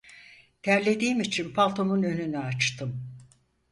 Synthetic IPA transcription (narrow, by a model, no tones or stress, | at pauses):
t̪ʰæɾlʲe̞d̪iːmit͡ʃʰinpʰalˠt̪ʰomunø̞nynɛat͡ʃt̪ʰɯm